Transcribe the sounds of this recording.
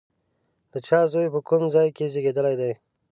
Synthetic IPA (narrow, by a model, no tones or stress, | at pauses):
d̪̥ət͡ʃʰɑːzojpəkumzɑjkezeɡed̪əlajd̪aj